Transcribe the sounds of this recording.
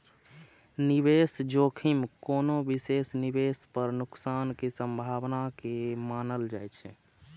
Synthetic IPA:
nibesd͡ʒokʰimkonobisesnibespəɾnuksankesəmbʱaʋnakemanəld͡ʒajt͡ʃʰɛ̰

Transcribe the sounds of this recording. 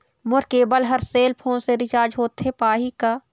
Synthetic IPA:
mʊɾkeːbəlɦɐɾseːlpʰõːseɾɪt͡ʃaːɾd͡ʒɦoːt̪ʰːepaːɦikaː

